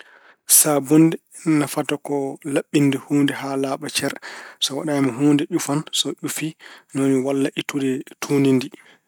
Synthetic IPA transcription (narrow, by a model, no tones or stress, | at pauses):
sabɔndɛ | nafatɔkɔlaɓːindɛhuːndɛhalaːɓat͡ʃɛɾsɔwaɗamɔɦuːndɛʔufansɔʔufinoniwalːaʔitudɛtʰunindi